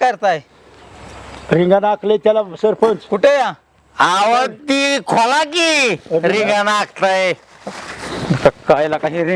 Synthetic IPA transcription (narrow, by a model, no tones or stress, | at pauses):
kəɾt̪aj | ɾiŋɡanakʰlet̪jalasəɾpʰənt͡skuʈeja | aʋət̪ikʰɔlakiɾiŋɡanakʰt̪aje | kakajlakaɦĩɾi